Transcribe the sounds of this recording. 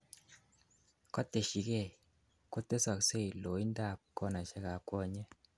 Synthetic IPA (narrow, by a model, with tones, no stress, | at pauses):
kɔ˦t̪e˨ʃi˨ke˦˨ | ko˦t̪e˦sa˨kse˦i˨lo˨i˦nda˦˨kɔ˦na˨ʃɛ˦ka˨kwɔ˦ɲɛ˦